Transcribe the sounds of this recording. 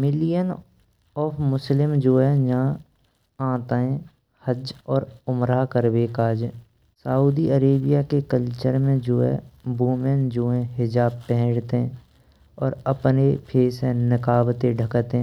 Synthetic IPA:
mɪlijən | ɔːpʰmʊslɪmd͡ʒoːɛjã | ãːt̪aẽ | həd͡ʒɔːɾʊmɾakəɾbeːkaːd͡ʒe | sauːd̪iəɾeːbijakekəlt͡ʃəɾmẽd͡ʒoːɛ̰buːmend͡ʒoːɦɛ̃ɦɪd͡ʒaːb̚pɛɦɽt̪ẽ | ɔːɾəpnepʰeːsẽnɪkaːbt̪ẽɖʱəkt̪ẽ

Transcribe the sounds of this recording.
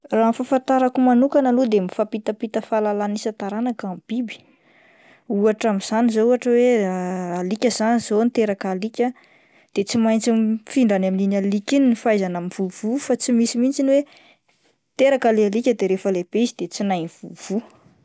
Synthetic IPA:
raːnfafant̪aɾakumanukanalud̪emifapit̪apit̪əfalalanisat̪aɾanakamb̥ibi̥ | uaʈ͡ʂamiz̥anizouaʈ͡ʂəwealikʲəzaniz̥ont̪eɾakalikʲə | d̪̥et͡simajnt͡sinfiɳɖ͡ʐanamininalikʲinnifajzanamiv̥uvufat͡simisimint͡siniwe | t̪eɾakalealikʲəd̪eɾefəleb̥eizid̪et͡sinajnv̥uv̥u

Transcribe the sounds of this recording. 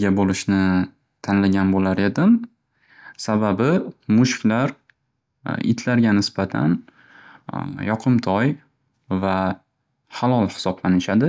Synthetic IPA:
ɡʲabolɪʃnɪ | t̪ʰanlaɡʲanbolaɾe̞d̪ɪm | sababɪmʊʃkʲlaɾ | ɪ̰t̪ʰlaɾɡʲanɪsbat̪ʰa̰n | jɒqʰɨmt̪ʰɒj | va | halˠɒlˠhɪ̥sɒblanɪʃad̪ɪ

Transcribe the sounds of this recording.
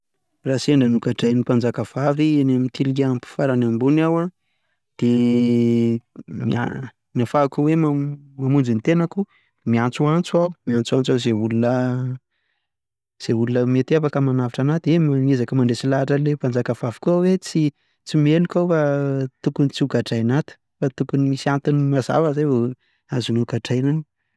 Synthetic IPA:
raseɳɖ͡ʐanukaʈ͡ʂajnipand͡zakəv̥avianemit̪ʰilieampi̥faɾanambunawa | d̪̥e | mia̰ | nafakuwemamamund͡ʒinit̪enaku | miant͡suant͡suawmiant͡suant͡sawzeɦulunə | z̥eɦulunəmet̪iafakəmanavaʈ͡ʂanat̪emanezakəmaɳɖ͡ʐesilaʈ͡ʂəlepand͡zakavavi̥kuawet͡si | t͡simenikawfat̪ukunit͡siukaʈ͡ʂajnat̪i̥ | fat̪ukunimisiant̪inimaza̰vəzajvo | azunukaʈ͡ʂajnan

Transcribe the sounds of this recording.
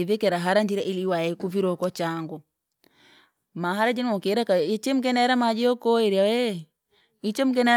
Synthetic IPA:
ivɛkɛɾaɦaɾand͡ʒiɾaʔiliwajɛkuviɾɔkɔt͡ʃaŋɡɔ | maɦaɾad͡ʒɛnɔkeɾakait͡ʃem̩k̬ɛnaɾamad͡ʒɛɔkɔɛɾiawɛ | it͡ʃɛm̩kɛna

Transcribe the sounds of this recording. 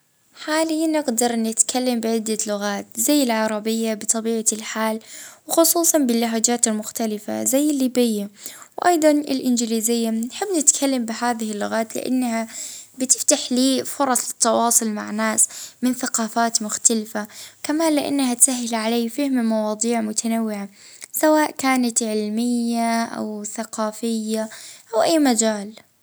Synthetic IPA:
ħaːlɪjːanɪɡd̪ɑɾˤnɪt̪kʰalːambɪʕɪd̪ːalʊɣaːt̪zajːɪlʕɑɾˤɑbɪjːabɪt̪ˤɑbiːʕalħaːlwxʊsˤuːsˤɑnbɪlːʊɦaːd͡ʒaːt̪ɪlmʊxt̪alɪfa̰zajːɪlːiːbɪjːawʔɑ̰jd̪ˤɑnɪ̰lʔɪnd͡ʒɪliːzɪjːanħɪbːnɪt̪kʰalːambɪɦaːðɪhɪlːʊɣaːt̪lɪ̰ʔa̰nːhabɪt̪ɪft̪aħliːfʊɾˤɑsˤɪ̥t̪ːɑwɑːsˤʊlma̰ʕnaːsmɪnθaqɑːfaːt̪mʊxt̪alɪfakamaːnlɪʔa̰nːahat̪saɦːɪlʕalaːfahɪmmɑwɑːd̪ˤiːʕmʊt̪ʰanawːɪʕa | sawaːʔkaːnat̪ʕɪlmɪjːaʔa̰wθaqɑːfɪjːaʔawʔajːmad͡ʒaːl

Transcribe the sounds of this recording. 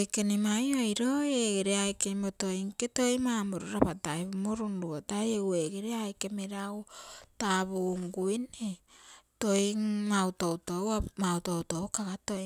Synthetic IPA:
jkenimajojɾoeɡeɾeajkemotoiŋketojmamoɾuɾapatajβumoɾunɾuatajeweɡeɾeajkemeɾaotaβuŋɡuinetojŋmawtowtowamawtowtowkaɡatoj

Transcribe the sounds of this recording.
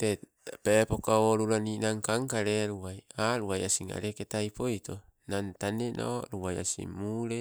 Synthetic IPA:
te | pepokaoɾuɾaninaŋkaŋkaɾeɾuβajaɾuajasiŋa̰ɾeketajpo̞jto | nantanenʔo̰ɾuβaja̰sḭmuɾe

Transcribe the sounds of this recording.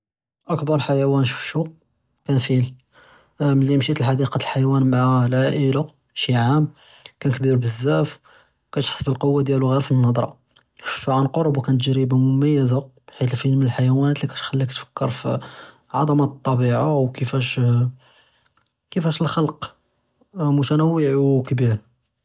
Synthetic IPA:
ʔəkbɑɾˤħajawænʃu̥fʃu | kænfil | məlːimʃit̪əlħɑd̪iqɑt̪əlħajwænmaʕalʕaʔəla | ʃiʕam | kænkbiɾbəzːæf | kæt̪ħə̥sːˤbəlqowːad̪jæluɣiɾfinːɑd̪ˤɾˤɑ̰ | fʃuʕanqoɾˤbwkænt̪ʒɾibamʊmæjːəzabħit̪əlfilmənəlħajwænæt̪likæt̪xælːikt̪fə̥kːəɾfi | ʕɑ̰d̪ˤɑmɑt̪ˤːɑbiʕawkəfæʃ | kəfæʃəlxɑlq | mʊt̪ænæwːəʕukbiɾ

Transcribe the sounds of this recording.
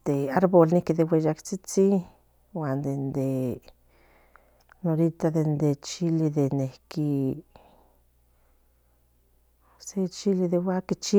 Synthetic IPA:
d̪̥eaɾβolnikiðewejakt͡sit͡si | wand̪end̪e | noɾit̪aðend̪et͡ʃiliðenehki | set͡ʃiliðewakit͡ʃi

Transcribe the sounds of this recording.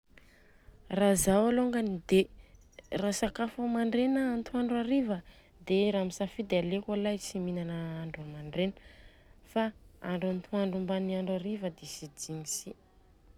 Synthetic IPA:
razawaloŋɡanid̪e | rasakafumaɳɖ͡ʐenəant̪ʰuaɳɖ͡ʐaɾivə | d̪eɾamisafid̪ealekalasiminanəaɳɖ͡ʐumaɳɖ͡ʐenə̥ | faa̰ɳɖ͡ʐuant̪ʰuaɳɖ͡ʐumbaniaɳɖ͡ʐuaɾivəd̪esid͡ʒiɲisi

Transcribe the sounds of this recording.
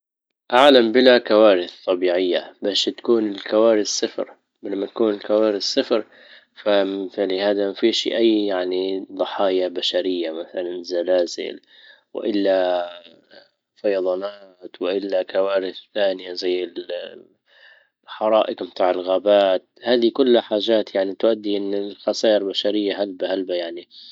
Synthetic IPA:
ʔaʕlambɪlakawaːɾɪθt̪ˤːɑbiːʕɪjːabaːʃt̪ḁkuːnɪlkawaːɾɪθsɪfɾ | lamːat̪ḁkuːnɪlkawaːɾɪθsːɪfɾ | fafɪʕlihaːd̪amafiːʃḭʔajːjaʕnid̪ˤɑħɑːjabaʃaɾɪjːamaθalanzalaːzɪ̰l | wɪ̰ʔɪlːa | fɑjɑðˤɑnaːt̪wɪʔɪlːakawaːɾɪθθaːnɪjazajːɪl | ħɑɾˤɑːʔɪqmɪt̪aːʕɪlɣaːbaːt̪̚haːd̪ikʊlːaħaːʒaːt̪jaʕnit̪ʊʔad̪ːiʔɪnːɪlxɑsaːʔɪɾbaʃaɾɪjːaɦalbahalbajaʕni

